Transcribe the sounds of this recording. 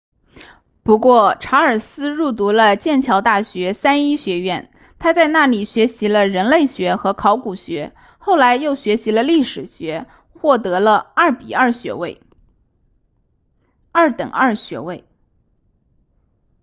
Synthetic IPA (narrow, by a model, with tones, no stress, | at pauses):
pu˧˥kwɔ˥˩ʈ͡ʂʰa˧˥ə˞˨˩sɹ̩˥ɻu˥˩t̪̬u˧˥lə˧t͡ɕjɛ˥˩nt͡ɕʰjɑ˧˥ʊt̪a˥˩ɕɥɛ˧˥sa˥ni˥ɕɥɛ˧˥ɥɛ˥˩n | t̪ʰa˥t͡sa˥˧ɪna˥˩li˨˩ɕɥɛ˧˥ɕi˧˥lə˧ɻə˧˥nle˥˩ɪɕɥɛ˧˥xɤ˧˥kʰɑ˧˥ʊku˨˩ɕɥɛ˧˥ | xo˥˩ʊla˧˥ɪjo˥˩ʊɕɥɛ˧˥ɕi˧˥lə˧li˥˩ʂɻ̩˨˩ɕɥɛ˧˥ | xwɔ˥˩t̪ɤ˧˥lə˧ɐ˞˥˩pḭ˨˩ə˞˥˩ɕɥɛ̰˧˥we˥˩ɪ | ɐ˞˥˩t̪ə˨˩ŋə˞˥˩ɕɥɛ̰˧˥we˥˩ɪ